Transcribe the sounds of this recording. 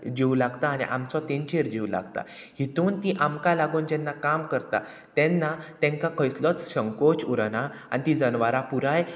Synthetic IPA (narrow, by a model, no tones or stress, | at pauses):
d͡ʑiwlaɡt̪aːnḭʔa̰mt͡sɔt̪int͡ɕeɾd͡ʑiwla̰ɡt̪a̰ | hit̪uːnt̪iʔamkalaɡund͡ʑɛnːakamkəɾt̪a̰ | t̪ɛnːat̪ɛ̃ŋkakʰəjslɔt͡sɕəŋkot͡ɕuɾanaa̰nit̪id͡zənʋaɾapuɾaj